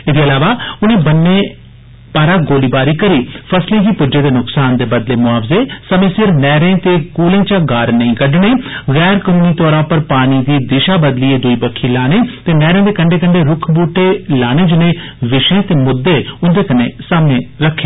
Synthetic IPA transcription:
ɪd̪eːəlaːʋaːʊnẽːbənːeː | paːɾaːɡoːliːbaːɾiːkəɾiːpʰəslẽːkiːpʊd͡ʒeːd̪eːnʊksaːnd̪eːbəd̪leːmʊaːʋzeːsəmẽːsɪɾnɛːɾẽːt̪eːkuːlẽːt͡ʃaːɡaːɾnəĩːkəɖneːɣɛːɾkənũːniːt̪ɔːɾãːpəɾpaːñiːd̪iːd̪ɪʃaːbəd̪liːeːd̪uiːbəkʰːiːlaːneːt̪eːnɛːɾẽːd̪eːkəɳɖeːkəɳɖeːɾʊkʰbuːʈeːlaːneːd͡ʒɪnẽːʋɪʃẽːt̪eːmʊd̪ːeːʊnd̪eːkəneːsaːmneːɾəkʰːeː

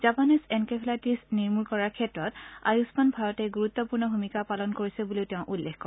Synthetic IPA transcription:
z̥apanisɛnkɛpʰlatisniɹmuɹkɔɹaɹkʰɛtɹɔta̰jusmanbʱajɔtɛɡuɹut̪ːɔpuɹnɔbʱumikapalɔnkoɹisɛbuliʊteʊ̃ʔulːexkɔɹ

